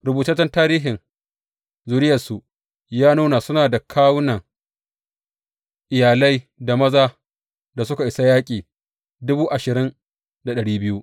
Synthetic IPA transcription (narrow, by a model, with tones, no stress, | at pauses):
ɾʊ˨buː˨tɐ˦t͡ʃɐ˦ntaː˦ɾiː˦ɦɪ˨ŋ | zuː˨ɾɪ˦jɐ˨rsu˨ | jaː˦nuː˦na˨sʊ˦naː˨da˨kʰaː˦wnɐ˨ŋ | ʔɪ˨jaː˨lɐ˦jda˨mɐ˦zaː˦ | da˨sʊ˦ka˨ʔɪ˨sa˦jaː˦kʲʼiː˨ | dʊ˦buː˦ʔa˨ʃɪ˨ɾɪ˦n | da˨ɗɐ˨ɽiː˦bɪ˦ju˦ʔ